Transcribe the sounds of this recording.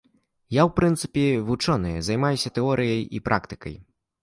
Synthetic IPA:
jawpɾɨnt̪sɨ̥pʲɛvut͡ʂɔnɨjɛzɐjmajusʲɐt̪ɛɔɾʔɨjɐjḭpɾʔa̰kt̪ɨ̥kɐ̰j

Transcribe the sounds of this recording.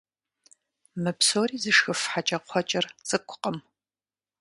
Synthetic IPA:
mɨpʰsoːɾiːzɨʂxɨfħat͡ʃʼɐqʷʰɔt͡ʃʼɐrz̥ɨkʷʰʼʊ̥qʼəm

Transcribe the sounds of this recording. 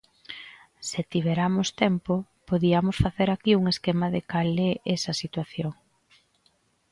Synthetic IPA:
sɪt̪iβ̞ɛɾamost̪ɛmpo | poðiɐmʊsfaθeɾakiuŋeskemaðɪ̰kalɛʔɛsɐsit̪waθjoŋ

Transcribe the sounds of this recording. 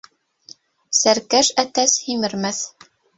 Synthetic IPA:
sæɾkæʃæt̪æshimɘ̆ɾmæθ

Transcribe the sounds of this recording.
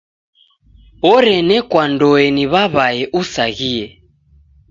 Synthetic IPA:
ɔɾɛnɛkwandɔɛniβaβaɛʔusaɣiɛ

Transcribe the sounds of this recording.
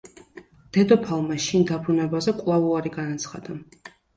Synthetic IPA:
d̪̥ɛd̪ɔpʰalˠmaʃind̪abɾunɛbazɛkʼwvlˠavuaɾiɡanat̪sʰχa̰d̪̥a

